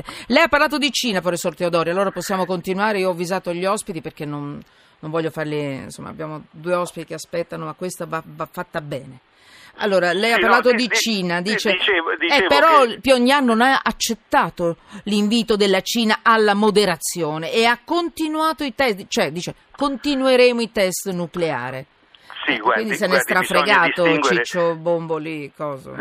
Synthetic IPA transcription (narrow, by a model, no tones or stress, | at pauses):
lɛjapːarlaːt̪̬od̪it͡ʃiːnafɔɾesort̪eod̪ɔːɾjalːoːɾaposːjaːmokont̪inwaːɾeioɔvːizaːt̪oʎːiɔspit̪iperk̟enːon | nːoɱvɔʎːofarlḭnso̰mːa̰bjaːmod̪uːeɔspit̪ikeaspɛt̪ːanomakːwest̪avavafːat̪ːabɛːne | a̰lːoːɾalɛjapaɾlaːt̪od̪it͡ʃiːnad̪iːt͡ʃeɛpeɾɔpuɔɲːianːonaa̰t͡ʃːet̪ːaːt̪oliɱviːt̪od̪elːat͡ʃiːnaʔalːamod̪eɾat̪sːjoːneeakːont̪inwaːt̪oit̪ɛst͡ʃoɛd̪iːt͡ʃe | kont̪inueɾeːmoit̪ɛst̪nuklea̰ːɾe | kwind̪isɛnɛst̪ɾafɾeɡaːot͡ʃit͡ʃːobombolikɔːza̰